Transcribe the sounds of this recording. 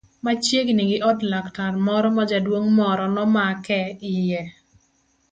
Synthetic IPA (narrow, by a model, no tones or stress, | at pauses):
mat͡ʃjeɡnɪɡɪʔɔdlaktarmɔɾɔmad͡ʒadwoŋmɔɾɔnɔmakɛɪjɛ